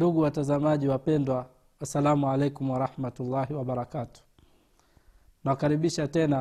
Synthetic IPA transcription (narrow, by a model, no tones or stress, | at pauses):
duɠuwatazamaʄiwapɛndwa | wasalamualɛjkumwaɾahmatulːaɦiwaɓaɾakatu̥ | nawakaɾiɓiʃatɛna